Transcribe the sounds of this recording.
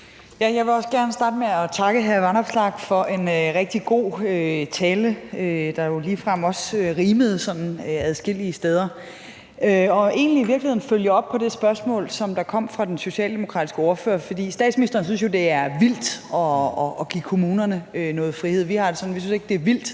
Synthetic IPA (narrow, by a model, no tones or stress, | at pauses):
jæjɑ̈ɪʋe̝ɒ̽sɡ̥æɐnəsd̥ɑ̈ːdəmeɒt͡sʰɑ̈ɡ̥əɦæɐʋɑnɒ̽b̥slɑ̈ɡ̥fɒ̽ʔe̝nøʁɛɡ̥̚d̥iɡ̥o̝̰ːøt͡sʰɛːləød̥ɑ̈jo̝liːfʁɑmɒ̽søʁiːməð̞̩ˠsɒ̽n̰n̩øæðˠsɡ̥e̝l̰iəsd̥eð̞ˠɐ | øɒ̽e̝̰ːnliʋiɐ̥lihe̝̰n̩føljəɒ̽b̥̚pʰɒ̽d̥e̝sb̥ɶɐsmɔ̰̽ːlsɒ̽md̥ɑ̈kʰɒ̽m̰fʁɑ̈d̥enso̝ɕɛ̰ːld̥e̝mo̝kʰʁɑ̰̈ːdisɡ̥əɔɐfø̰ːɐfɒ̽d̥ḭːsd̥ɛ̰ːd̥sminisd̥ɐnsyns̬jo̝d̥e̝æɐʋil̰d̥ɒ̽ɒɡ̥ḭkʰo̝muːnɐnəønɔ̽ːð̞̩ˠfʁihe̝ð̰ˠʋihɑ̈d̥e̝sɒ̽n̩ʋisynse̝ɡ̥̚d̥e̝ɐʋil̰d̥